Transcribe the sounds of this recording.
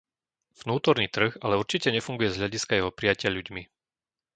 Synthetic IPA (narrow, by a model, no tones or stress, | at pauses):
v̥nuːt̪ɔɾniːt̪r̩ɣalɛuɾt͡ʃicɛɲɛfuŋɡujɛzɦʎaɟiskajɛɦɔpɾijacɪaʎuɟmi